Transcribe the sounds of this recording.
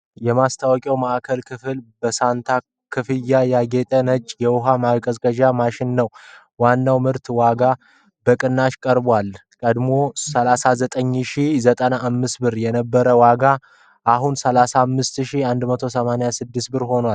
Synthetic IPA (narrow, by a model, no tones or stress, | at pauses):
jɛmast̪ʰawɔkʼɛwmaʔkʰəlkʰɨfɨlbəsant̪ʰa | kʰɨfɨjːajaɡet̪ʼənət͡ʃʼːjɛwʊɦamakʼəzkʼəʒamaʃɪnːəw | wanːawmɨɾt̪waɡa | bəkʼɨnːaʃkʼəɾbwalkʼəd̪mo̞səlasazət̪ʼəɲːʃizət̪ʼənaʔːmːɨsbɨɾjɛnəbːəɾəwaɡa | ʔaɦunsəlasamːɨst̪ʃiand̪mət̪ʰo̞səmanajasɨd̪ːɨst̪bɨɾho̞nwal